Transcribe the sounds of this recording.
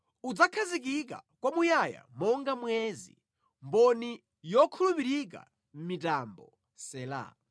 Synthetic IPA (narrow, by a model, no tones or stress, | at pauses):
ud͡zakʰazik̬ik̬a̰kwamujaja̰mɔŋɡamwɛzḭ | mbɔni | jɔkʰulupiɾik̬a̰ | m̩mitambɔ̰ | sɛla̰